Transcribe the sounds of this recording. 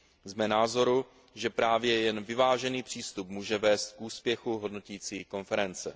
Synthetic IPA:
zmɛnaːzo̞ɾu | ʒɛpɾaːvjɛjɛnvɪvaːʒɛniːpr̥iːst̪upmuːʒɛvɛːst̪̚kʔuːspjɛxuɦo̞dno̞ciːt͡siːko̞nfɛɾɛnt͡sɛ̰

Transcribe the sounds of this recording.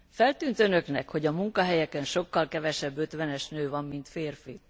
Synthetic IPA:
fɛlt̪yːnt̪ønø̞knɛkho̞ɟɒmuŋkɒɦɛjɛkɛnʃo̞kːɒlkɛvɛʃɛbːø̞t̪ʋɛnɛʃnøːvɒmːint̪feːrfi

